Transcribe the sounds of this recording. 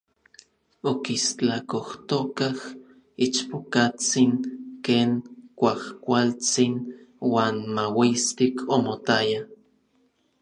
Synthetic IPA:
okist͡ɬakoht̪okah | it͡ʃpokat͡siŋkeːŋkʷahkʷalt͡sinwaːnmawist̪ikʰomot̪aja

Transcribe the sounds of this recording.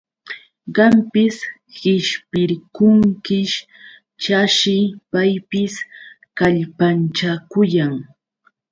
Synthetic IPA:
ɢɑmpɪs | hɪʃpɪɾkʊŋkɪʃ | t͡ʃaʃɪpajpɪs | kaʎpant͡ʃakʊjaŋ

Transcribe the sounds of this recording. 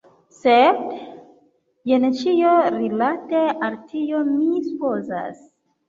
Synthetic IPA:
sed | jent͡ʃioɾilatealtʰiomisupoza̰s

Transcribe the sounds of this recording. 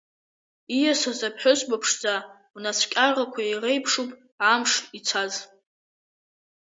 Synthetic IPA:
ijasazapʰħʷʊsbapʰʂd͡za | nasʷʰkʲʼarrakʷʰajerejpʰʂupʼ | ʕamʂit͡sʷʰaz

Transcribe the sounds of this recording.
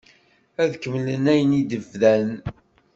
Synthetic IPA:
æðkːəmlənæjnid̪əvðæn

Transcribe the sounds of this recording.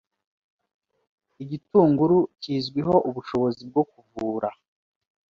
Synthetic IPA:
iɟituːŋɡuɾuciːzɡwiɦo̞ʔuβuʃo̞βo̞zib̚ɡo̞kuvuːɾa

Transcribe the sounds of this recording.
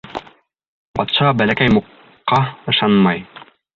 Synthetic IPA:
pɑt̪ʃɑʁɑbælækæjmuqː | ɑɤ̆ʃɑnmɑj

